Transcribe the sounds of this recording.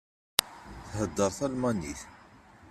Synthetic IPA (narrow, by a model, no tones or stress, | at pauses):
θhəd̪ːəɾˤθælmɑniθ